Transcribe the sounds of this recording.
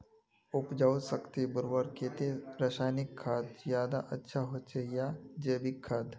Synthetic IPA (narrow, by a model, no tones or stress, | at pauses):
ʊpd͡ʒaw̪səkt̪ebʊɾbəɾkeːt̪eɾəʃaːjnikʰːaːd̪zjaːd̪aʔɐtːʃʰaɦoːt͡ʃʰeijad͡ʒəːbikʰːaːd̪